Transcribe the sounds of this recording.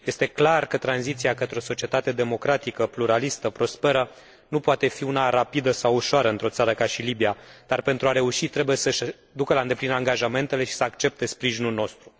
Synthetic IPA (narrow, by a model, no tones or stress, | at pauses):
je̞st̪e̞klarkət̪ɾanzit̪siakət̪ɾeo̞so̞t͡ʃie̞t̪at̪e̞d̪e̞mo̞kɾat̪ikəpluɾalist̪əpɾo̞spe̞ɾə | nupoat̪e̞fiunaɾapid̪əsawuʃoaɾəɨnt̪ɾo̞t̪saɾəkaʃilibiad̪̥arpe̞nt̪ɾuaɾe̞uʃit̪ɾe̞buje̞səʃ | d̪ukəlaɨnd̪e̞plinaŋɡaʒame̞nt̪ele̞ʃi̥səakt͡ʃe̞p̚t̪e̞spɾiʒinulno̞st̪ɾu